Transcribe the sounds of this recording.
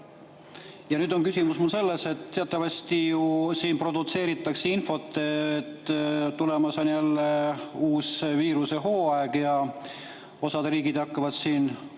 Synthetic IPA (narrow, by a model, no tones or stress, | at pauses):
jɑnyːd̪̥o̞nkysʲimusmulse̞lːe̞se̞t̪t̪ːe̞ɑt̪ˑːɑvɑsʲt̪ijusiːnpro̞d̪ut̪se̞ːɾit̪ːˑɑkseinfo̞t̪ːˑe̞ːt̪ːt̪ːulemɑsonjælːe̞uːsviːɾuse̞ɦo̞ːɑeɡ̥jɑ | o̞sɑd̪̥riːɡid̪ɑkːɑvɑd̪̥siːn